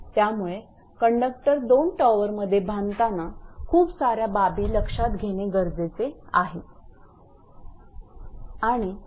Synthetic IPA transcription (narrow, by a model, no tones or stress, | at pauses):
t̪jamuɭe | kəɳɖək̚ʈəɾd̪onʈaʋəɾməd̪ʱːjebʱant̪anakʰuːpsaɾjababiːləkʂat̪ɡʱeɽ̃eɡəɾd͡zet͡sea̰ɦe | aɽ̃i